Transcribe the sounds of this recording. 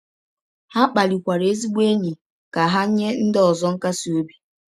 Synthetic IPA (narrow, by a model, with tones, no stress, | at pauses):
ha˦k͡pa˨li˨kʷa˨ɾe˦zi˦ɡ͡be˦ɲi˨ | ka˨ɦa˦ɲe˦n̩˦dɔ˨zɔ˦ŋ̩˦ka˦si˨o˦bi˦